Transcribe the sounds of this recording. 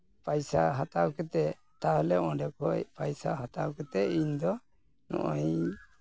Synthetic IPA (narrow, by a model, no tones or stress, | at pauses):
pajsaɦat̪awkɛt̪ɛ | t̪aɦɔlɛɔ̃ɖɛkɔjpajsaɦat̪awkɛt̪ɛiɲd̪ɔ | nɔ̰ʔɔj